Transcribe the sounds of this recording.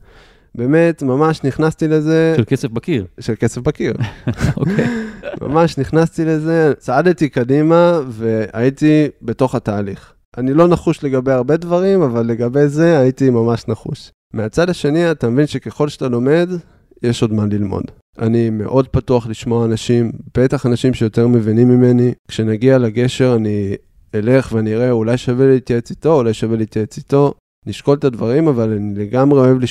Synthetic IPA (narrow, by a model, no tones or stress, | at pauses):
be̞ːme̞tmamaʃniχnastile̞ze̞ʃelkesefbakiʁʃelke̞sefbakiʁokma̰maʃniχnastile̞ze̞t͡saadetikadimave̞a̰itibe̞to̞χataːliχ | anilo̞naχuʃle̞ɡabe̞jaʁbe̞dvaʁimavalːe̞ɡabe̞jze̞ajitimamaʃnaχṵʃ | meat͡sadaʃe̞niatamevinʃe̞keχo̞lʃeatalo̞me̞d | jeʃo̞dmanlilmo̞̰d | a̰nime̞̰ʔo̞d̚patuaχliʃmo̞aːnaʃimb̥e̞taχanaʃimʃe̞jo̞te̞ʁme̞vinimːime̞nikʃenaɡialaɡe̞ʃe̞ʁani | ele̞χveaniʁeulajʃavelitjet͡sito̞ulajʃavelit̪jaet͡sito̞ | niʃko̞lt̪advaʁimavalanile̞ɡamʁeo̞e̞vli